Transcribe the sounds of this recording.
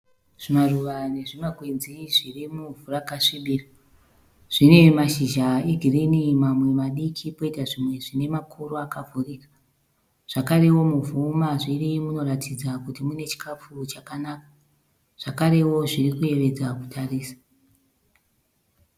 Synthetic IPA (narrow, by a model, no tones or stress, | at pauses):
ʐ̥imaruʋane̞ʐimaɡʱwenziʐirimuvurakaʂiɓiːra | ʐ̥ine̞maʃiʒaeɡʱirinimamwe̞maɗikʰipo̞itaʐimwe̞ʐine̞makʰuroakavʱurika | ʐ̥akaɾe̞wo̞muvumaʐirimuno̞ratʰid͡zakutimune̞t͡ʃi̥kap͡fut͡ʃakanaːka | ʐ̥akaɾe̞wo̞ʐirikuje̞ʋe̞d͡zakutʰariːsḁ